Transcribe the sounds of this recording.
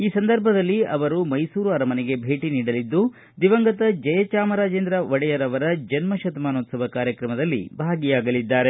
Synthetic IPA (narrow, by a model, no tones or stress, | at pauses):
iːsɐnd̪ɐɾbʱɐd̪ɐlːiɐʋɐɾumɐjsuːɾuɐɾɐmɐnɛɡe̞bʱe̞ːʈiniːɽɐlid̪ːu | d̪iʋɐŋɡɐt̪ɐd͡ʒɐjɐt͡ʃaːmɐɾaːd͡ʒeːnd̪ɾɐʋɐɽɛjɐɾɐʋɐɾɐd͡ʒɐnmɐʃɐt̪ɐmaːnoːt̪sɐʋɐkaːɾjɐkɾɐmɐd̪ɐlːḭbʱaːɡijaːɡɐlid̪ːaːɾe̞